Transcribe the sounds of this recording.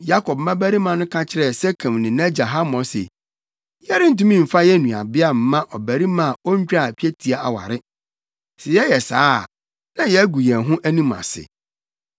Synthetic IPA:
ja˦kʰɔ˨b̚mã˦bæ˦ɾi˦mã˨nʊ̃˦kʰa˦t͡ɕʰɪ˦ɾɛ˦˨sɛ˦kʰã˨mnɪ̃˨nã˦d͡ʑa˨ɦa˦mɔ̃˨sɛ̰˨ | jɛ˦ɾɪ˦n̩˦t̬ũ˦mĩ˦˨m̩˨fa˦jɛ˦nũ˨a̰˨bɪ˦a˦˨m̩˨mːã˦ʔɔ˨bæ˨ɾi˦mã˦˨ɔ˦ɲ˦t͡ɕᶣa˦˨pi˦e˦tʰi˨a˨˦ʔa̰˨wa̰˨ɾɪ˦ | sɛ˨jɛ˦jɛ˨saː˦˨ | nã˦jɛ˦ɡu˨jɛ̃˨ɦʊ̃˦ʔæ˦nĩ˦mã̰˨sɪ̰˨

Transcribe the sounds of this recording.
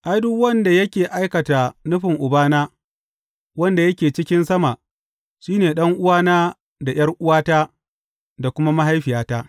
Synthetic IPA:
ʔa˦jdʊ˦wɐ˦nda˨jɐ˦kʲeː˨ʔa˦jkɐ˨ta˨nʊ˦ɸɪ˨ŋʔʊ˨baː˦naː˦ | wɐ˦nda˨jɐ˦kʲeː˨t͡ʃɪ˦kʲɪ˦nsɐ˦ma˨ | ʃiː˦neː˨ɗɐ˦ŋʔʊ˦waː˦naː˦ | da˨j̰ɐ˦rʔʊ˦waː˦taː˦ | da˨kʷʊ˦ma˦ma˦ɦa˦jɸɪ˨jaː˦taː˦

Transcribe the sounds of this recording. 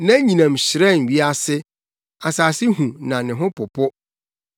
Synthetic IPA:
nã˦ɲĩ˨nã˨m˨ɕɪ˨ɾɛ˦˨n̩˨ɥi˦a˦sɪ˦ | a˨saː˨sɪ˦ɦũ˨nã˨nɪ̃˨ɦʊ̃˦pʰʊ˨pʰʊ˦

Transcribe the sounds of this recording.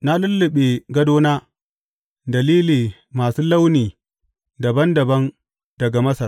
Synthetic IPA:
na˦lʊ˦lːɪ˨ɓe˨ɡɐ˦doː˦naː˦ | dɐ˨liː˦liː˨ | maː˨suː˦la˦wniː˨ | dɐ˨bɐ˦ndɐ˨bɐ˦n | dɐ˨ɡa˨mɐ˦sɐ˨

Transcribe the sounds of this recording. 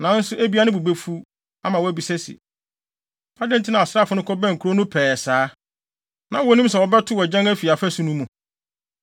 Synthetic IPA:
nã˨n̩˦sʊ˦ʔæ˦bi˦a˦nɪ̃˦bu˨be˦fu˦ | a˦mã˨wɔ˦æ˦bi˨sɛ˦sḭ˨ | a˦dɪ̃˦n˨tʰɪ˦nã˨a˨sɾa˦˨fʊ˦nʊ̃˦kʰɔ˦bɛ̃˦˨ŋ̩˨kʰu˨ɾo˦nʊ̃˦pʰɛː˨ɛ˨saː˨˦ | nã˨wɔ˨˦nĩ˦ms̬ɛ˨wɔ˨bɛ˦tʰʊ˦wɔ˨d͡ʑã˦ŋæ˦fi˨a˨fæ˦sũ˦nũ˦mːũ˨

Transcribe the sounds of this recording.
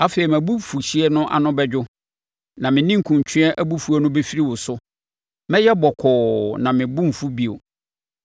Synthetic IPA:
a˦fe˨i˨mæ̃˨bu˦fu˨ɕi˦ɛ˦nʊ̃˦ʔa̰˨nʊ̃˦bɛ˦d͡ʑᶣʊ˦ | nã˨mɪ̃˨nɪ̃˦ŋ̩˨kʰũ˨ɲ˨t͡ɕʰᶣɪ̃˦ɛ˦ʔæ˦bu˦fu˦ɛ˦nʊ̃˦be˦fi˦ɾi˦wʊ˨sʊ˦ | mɛ̃˦jɛ˦bɔ˨kʰɔː˨nã˨mɪ̃˨bũ˦m̩˨fu˦bi˨o̰˨

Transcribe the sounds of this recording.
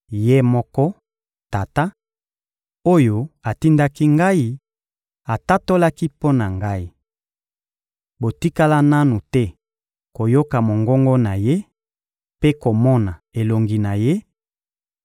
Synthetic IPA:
je˦mɔ˦kɔ˦ | ta˨ta˦ | o˦jo˦a˨ti˦nda˦ki˦ŋɡa˦i˦ | a˨ta˦to˦la˦ki˦po˦na˨ŋɡa˦i˦ | bo˨ti˦ka˦la˦na˦nu˨tɛ˦ | ko˨jo˦ka˨mo˨ŋɡɔ˦ŋɡɔ˦na˨je˦ | pe˦ko˨mɔ˦na˨e˨lo˨ŋɡi˨na˨je˦

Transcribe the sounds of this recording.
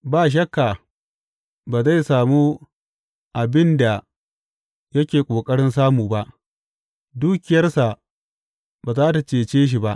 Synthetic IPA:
baː˦˨ʃ̬ɐ˦kːa˨ | baː˨za˦˨jsaː˨muː˦ | ʔa˨bɪ˦nda˨ | jɐ˦kʲeː˨kʷʼoː˨kʼɐ˦ɽɪ˦ns̬aː˦muː˨ba˦ʔ | duː˦kʲɪ˨jɐ˦rsa˨ | baː˨zaː˦ta˨t͡ʃeː˨t͡ʃeː˦ʃ̬i˨ba˦ʔ

